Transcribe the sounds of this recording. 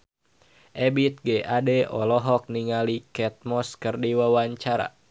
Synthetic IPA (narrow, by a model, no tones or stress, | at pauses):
ʔɛbit̪̚ɡɛʔadɛɔlɔɦɔk̚niŋalikɛt̪̚mɔskɨrdiwawaɲt͡ʃaɾa̰